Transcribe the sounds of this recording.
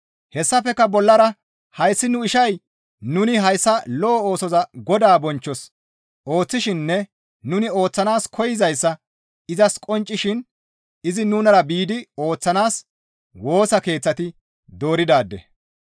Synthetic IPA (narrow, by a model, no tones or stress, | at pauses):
hɛsːɐfɛkːɐbɔlːɐɾɐ | hɐjsːɪnʊɪʃɐj | nʊnɪɦɐjsːɐlɔʔːoːsɔzɐɡɔd̪aːbɔnt͡ʃːɔs | ʔo̞ːt͡sːɪʃɪnːɛ | nʊnɪo̞ːt͡sːɐnaːskʰɔjɪzɐjsːɐ | ɪzɐskʼɔnt͡ʃʼːɪʃɪn | ɪzɪnuːnɐɾɐbiːd̪ɪoːt͡sːɐnaːs | wo̞ːsɐke̞ːt͡sːɐt̪ɪ | d̪o̞ːɾɪd̪aːd̪ːɛ̰